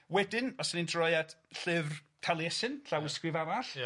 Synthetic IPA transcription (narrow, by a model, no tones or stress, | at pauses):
wɛdɪnɔsənindrɔjad̥ɬɨvr | tʰalˠjɛsɨnɬawɪskrɨvavaɬ